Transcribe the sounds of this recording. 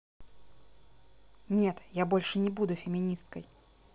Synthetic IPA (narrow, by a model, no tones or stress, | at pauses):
nʲe̞t̪jabo̞lʲʂɨnʲɪbud̪ʊfʲɪmʲɪnʲist̪kəj